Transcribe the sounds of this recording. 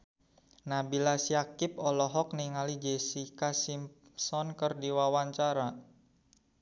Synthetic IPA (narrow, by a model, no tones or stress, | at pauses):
nabilasiakɪp̚ɔlɔɦɔk̚niŋalid͡ʒesikasim | sɔnkərdiwawaɲt͡ʃaɾa